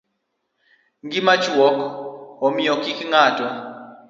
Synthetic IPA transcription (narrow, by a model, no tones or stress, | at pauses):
ŋɡimat͡ʃwɔkʰɦɔmijɔkikʰʼiŋaːtʼɔ